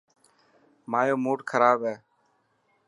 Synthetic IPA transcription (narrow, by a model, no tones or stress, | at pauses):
maːjoːmoːʈkʰəɾaːbɦɛː